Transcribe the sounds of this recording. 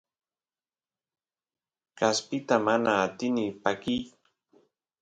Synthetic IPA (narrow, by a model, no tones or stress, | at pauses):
kaspɪt̪amanaːt̪ɪnɪpakij